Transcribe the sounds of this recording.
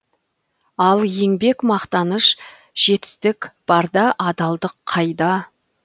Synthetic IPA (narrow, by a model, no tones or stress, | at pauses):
ɑlˠje̞ŋbe̞kmɑqt̪ɑnəʃ | ʒ̥e̞t̪ɪ̥st̪ɪkb̥ɑɾd̪ɑʔɑd̪ɑlˠd̪əqʰːɑjd̪ɑ